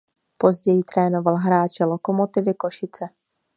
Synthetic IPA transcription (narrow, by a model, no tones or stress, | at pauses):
po̞zɟɛjɪt̪ɾɛːnovalɦɾaːt͡ʃɛlokomot̪ɪvɪkoʃɪt͡sɛ